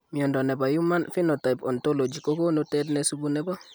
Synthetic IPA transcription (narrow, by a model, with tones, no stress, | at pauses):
mi˨ɔ˨ndɔ˨nɛ˨ba˨ju˦ma˦nfi˦nɔ˨ta˨i˨pɔ˨nto˦lo˨d͡ʒi˨ko˦ko˦notɛdnɛsubu˦nɛ˦ba˦